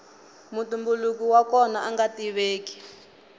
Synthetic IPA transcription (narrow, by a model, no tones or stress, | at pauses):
mutumbuluk̬iwakɔnaʔaŋɡatiβeːki̥